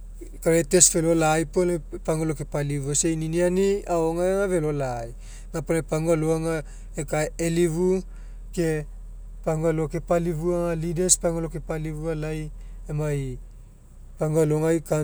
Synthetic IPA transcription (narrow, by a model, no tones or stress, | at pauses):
kaɾete̞sfelo̞laːjponepaŋɡalokepaliβuasejninianiaoŋajaŋave̞lo̞laːj | naponapaŋɡaloaŋa | ekaeliβu | ke | paŋɡaloke̞palivuaŋalidespaŋɡalokepaliβualajemaj | paŋɡaloŋajka